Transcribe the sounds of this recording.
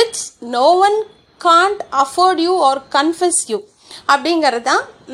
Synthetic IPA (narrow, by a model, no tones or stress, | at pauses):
ɪt͡ʃnoːʋɐ̃n | kãːɳʈɐfoːɾɖjuɔːɾkɐ̃nfɛsjuː | ɐpːɐɽɪŋɡɐɾɐt̪ãː